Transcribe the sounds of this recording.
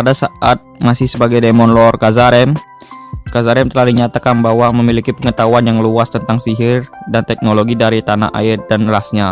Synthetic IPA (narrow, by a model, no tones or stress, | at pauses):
padasaʔat̪̚masɪhsəbaɡajdemɔnlɔrkazaɾɛm | kazaɾɛmt̪əlahdiɲat̪akanbaɦwaməmilikipəŋət̪auanjaŋluast̪ənt̪aŋsiɦɪrdant̪ɛk̚noloɡidaɾit̪ana̰ʔa̰ɪrdanlasɲa